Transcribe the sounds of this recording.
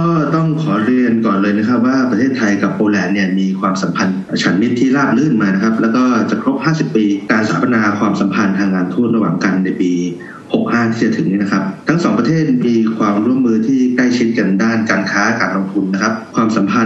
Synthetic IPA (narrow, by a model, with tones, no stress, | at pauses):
kɔː˥˩t̪ɔ˥˩ŋkʰɔː˩˦ɾi˧ənkɔː˨˩nlɤː˧jna˦˥kʰa˦˥p̚waː˥˩pɾa˧t̪ʰeː˥˩t̪ʰːa˧jka˨˩p̚ʔoː˧lɛː˧nnːi˥˩ɐmiː˧kʰwaː˧msa˩˦mpʰa˧n˩t͡ɕʰa˩˦nmi˦˥t̪ʰːiː˥˩laː˥˩p̚lɯː˥˩nmaː˧na˥kʰa˦˥p̚lɛː˦˥wkɔː˥˩t͡ɕa˨˩kʰɾo˦˥p̚haː˥˩si˨˩pːiː˧kaː˧nsaː˩˦pʰa˧naː˧kʰwaː˧msa˩˦mpʰa˧nt̪ʰaː˧ŋːkaː˧nt̪ʰuː˥˩t̪̚ɾa˧wa̰ː˨˩ŋka˧nːa˧jpiː˧ | ho˨˩k̚haː˥˩t̪ʰiː˥˩t͡ɕa˨˩t̪ʰɯ˩˦ŋiː˦˥na˦˥kʰa˦˥p̚t̪ʰa˦˥ŋsɔː˩˦ŋpɾa˧t̪ʰeː˥˩t̪̚miː˧kʰwaː˧mɾu˥˩əmːɯː˧t̪ʰiː˥˩kla˥˩jt͡ɕʰi˦˥t̪̚ka˧ndaː˥˩nkaː˧nkʰaː˦˥kaː˧nlo˧ŋt̪ʰu˧nːa˦˥kʰa˦˥p̚kʰwaː˧msa˩˦mpʰa˧